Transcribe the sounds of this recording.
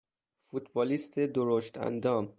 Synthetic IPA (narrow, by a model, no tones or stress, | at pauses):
fut̪bɒːlist̪ʰed̪oɾoʃt̪æ̰nd̪ɒːm